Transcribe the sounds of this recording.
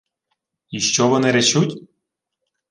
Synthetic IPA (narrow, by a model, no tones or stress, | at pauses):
iʃt͡ɕoβɤ̆neɾet͡ɕut̪ʲ